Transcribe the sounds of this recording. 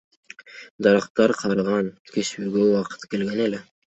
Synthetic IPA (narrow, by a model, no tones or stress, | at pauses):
d̪ɑɾɑqt̪ɑɾqʰɑɾʁɑnkʲʰe̞syːɡøuwɑqɯ̥t̪ke̞lɡe̞nele